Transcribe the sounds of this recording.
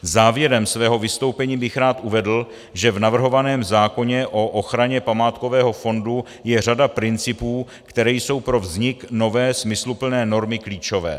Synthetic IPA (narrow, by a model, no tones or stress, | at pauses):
zaːvjɛɾɛmsvɛːɦo̞vɪst̪o̞wpɛɲiːbɪxɾaːt̪ʔuvɛdl̩ | ʒɛvnavr̩ɦo̞vanɛːmzaːko̞ɲɛʔo̞ʔoxɾaɲɛpamaːt̪ko̞vɛːɦo̞fo̞ndu | jɛr̝adapɾɪnt͡sɪpuː | kt̪ɛɾɛːjso̞wpɾo̞vzɲɪkno̞vɛːsmɪslupl̩nɛːno̞ɾmɪkliːt͡ʃo̞vɛ̰ː